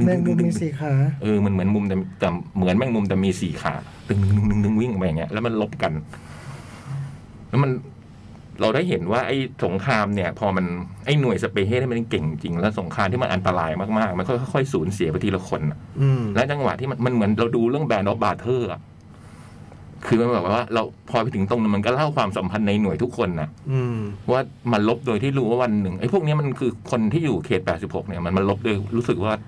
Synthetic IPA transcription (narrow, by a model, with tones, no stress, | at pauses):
m˧˨˧ŋɯ˧ŋɯ˧iː˨˩kʰaː˩˦ʔɤː˧ma˧˥nmɯ˩˦ənmu˧mt̪ɛ˨˩t̪ɛː˨˩mɯ˨˩˦ənmɛ˧˩ŋmu˧mt̪ɛ˨˩miː˧siː˨˩˦kʰa̰ː˩˦ | t̪ɯ˨˧˩ŋnɯ˧˩nɯ˧˩nɯ˧ŋnɯ˧˥˩ŋwi˥˩ŋʔa˨˩ma˧ja˨˩ŋi˦˥ɐʔlɛ˦˥wma˧nlo˦˥p̚ka˧n | lɛ˦˥ma˧n | ɾa˧wdaː˥˩jɦe˩˦nwaː˥˩ʔa˥˩jso˩˦ŋkʰaː˧mni˥˩ɐpʰɔː˧ma˧nʔa˥˩jnu˨˩əjsa˧peː˧˩ɦe˥˩t̪a˥˩ma˧nke˨˩ŋt͡ɕi˧ŋlɛː˦˥wso˩˦ŋkʰaː˧mt̪ʰiː˥˩ma˧nʔa˧nt̪a˧ɾaː˧jmaː˥˩k̚maː˥˩k̚ma˧nkʰɔː˥˩jxʰɔ˥˩kʰɔ˥˩jsuː˩˦nsi˨˩˦ba˧t̪ʰiː˧la˧kʰo˧nʔa˨˩ʔlɛ˦˥t͡ɕa˧ŋwa̰˨˩t̪ʰiː˥˩ma˧nma˧nmɯ˨˩˦nɾa˧wduː˧ɾɯ˥˩əŋbɛː˧nʔɔ˦˥p̚baː˧t̪ʰɤː˥˩ʔa̰˨˩ʔ | kʰɯː˧ma˧nbɛː˨˩p̚wa˥˩waː˥˩ɾa˧wpʰɔː˧a˧t̪ʰɯ˩˦ŋt̪o˧ŋnɯ˧˩ma˧nkɔː˥˩la˥˩wkʰwaː˧msa˩˦mpʰa˧nːa˧jnu˨˩əjt̪ʰu˦˥kʰːo˧nːʔa˨˩ʔ | waː˥˩ma˧nlo˦˥p̚doː˧jt̪ʰiː˥˩ɾuː˦˥waː˥˩wa˧nːɯ˨˩ŋʔa˦˥jpʰu˥˩k̚ni˦˥˨ma˧nkʰɯː˧kʰo˧nt̪ʰiː˥˩juː˨˩kʰeː˨˩t̪̚pɛː˨˩t̪si˨˩p̚ho̰˨˩k̚ni˥˩ɐma˧nma˧nlo˦˥p̚doː˧jɾuː˦˥sɯ˨˩k̚waː˥˩